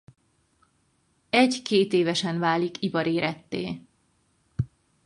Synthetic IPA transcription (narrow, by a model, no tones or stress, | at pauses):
ɛɟkeːt̪eːvɛʃɛnvaːlikipɒɾeːɾɛt̪ːḛː